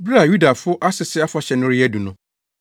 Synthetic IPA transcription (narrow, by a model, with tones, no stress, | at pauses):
bɾa˦˨ju˦da˨fʊ˦ʔa˦sɪ˨sɪ˦a˦fa˨ɕɛ˨nʊ̃˦ɾɪ˦æ˦du˨nʊ̃˦